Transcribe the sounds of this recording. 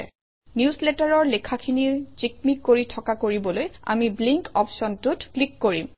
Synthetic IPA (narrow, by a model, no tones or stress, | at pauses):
njuslɛtaɹɔɹlɛkʰakʰinizik̚mikːoɹitʰɔkakoɹibɔloja̰mibliŋkɔpsɔntʊtklikːoɹim